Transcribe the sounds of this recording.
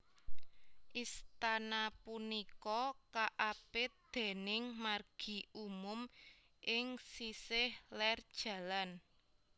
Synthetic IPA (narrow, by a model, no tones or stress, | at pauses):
ʔist̪anapunikɔkaʔapɪd̪̥e̤nɪŋmarɡ̥i̤ʔumʊm | ʔɪŋsisɪhlɛrd̥ʒ̥ä̤lan